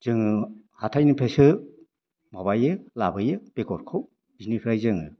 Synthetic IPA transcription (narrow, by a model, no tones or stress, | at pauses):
z̥ɯŋɯ | hatʰajnɯpʰesɯ | mabajɯlabɯjɯb̥ekɔɾkʰɯw | zinipʰɾajzɯŋɯ̰